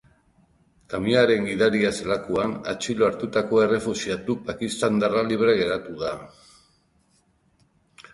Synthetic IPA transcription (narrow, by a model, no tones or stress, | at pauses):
kamiaɾe̞ŋɡiðaɾiaselakuana̰t͡ʃiloaɾt̪ut̪ako̞e̞re̞fusiat̪upakist̪and̪araliβ̞ɾe̞ɣ̞e̞ɾat̪uða